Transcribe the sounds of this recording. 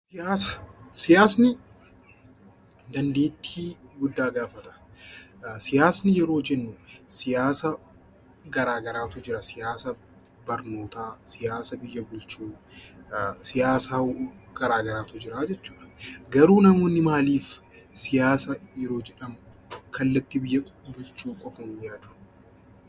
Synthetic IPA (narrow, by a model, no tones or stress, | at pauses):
sɪjaːsɐ̥sɪjaːsnɪ | d̪ɐnd̪eːt̪ʰːiːɡʊd̪ːaːɡaːfɐt̪ɐ̥ | sɪjaːsnɪjɛɾo̞ːd͡ʒɛnːʊsɪjaːsɐ | ɡɐɾaːɡɐɾaːt̪ʊd͡ʒɪɾɐsɪjaːsɐ | bɐɾno̞ːt̪aːsɪjaːsɐbɪjːɐbʊlt͡ʃuː | sɪjaːsaːɡ̥ɐɾaːɡɐɾaːt̪ʊd͡ʒɪɾaːd͡ʒɛt͡ʃːu̥ːᶑɐ̥ɡɐɾuːnɐmoːnːɪmaːliːf | sɪjaːsɐjɛɾo̞ːd͡ʒɛᶑɐmʊ | kʰɐlːɐt̪ːɪbɪjːɐbʊlt͡ʃuːkʼɔfɐmʊjaːd̪ʊ̥